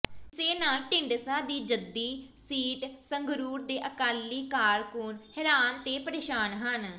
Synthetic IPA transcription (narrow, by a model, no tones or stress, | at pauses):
seːnaːlʈɪɳɖsaːd̪iːd͡ʒəd̪ːiːsiːʈsəŋɡɾuːɾd̪eːʔəkaːlːiːkaːɾkuːnhɛɾaːnt̪eːpəɾeːʃaːnɦən